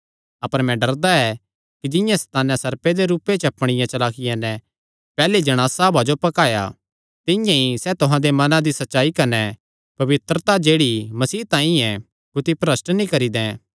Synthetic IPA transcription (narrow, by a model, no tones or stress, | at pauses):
ɐpəɾmɛ̃ɖɐɾd̪aɛ | kid͡ʒɪ̃jãst̪aːnãsɐɾped̪eɾuːpet͡ʃɐpɽ̃ɪjãt͡ʃɐlaːkɪjãnɛ | pɛːled͡ʒɐɽ̃aːsabad͡ʒopɐkaːja̰ | t̪ɪjãisɛt̪ʊɦãd̪emɐnãd̪isɐtːʃaːikɐnɛ | pɐʋɪt̪ɾət̪ad͡ʒeːɽimɐsiːt̪ãːĩɛ̃ | kʊt̪ipɾəsnnĩkɐɾid̪ɛ̃